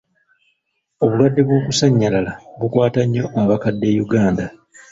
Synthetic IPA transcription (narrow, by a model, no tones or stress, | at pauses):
o̞βulwadːe̞βwo̞ːkusaɲːalalaβukwaːtaɲːo̞aβakadːe̞juɡaːnda